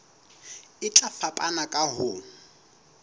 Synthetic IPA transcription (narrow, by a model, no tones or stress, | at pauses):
ɪt͡ɬʼafapʼanakʼaɦʊːn̩